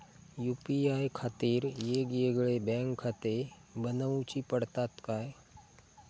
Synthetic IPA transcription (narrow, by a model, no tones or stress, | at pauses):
juːpiaːjkʰaːt̪iːɾjeɡieɡɭebɛ̃ŋkʰːat̪e | bənaũt͡ʃipəɽt̪at̪kaːe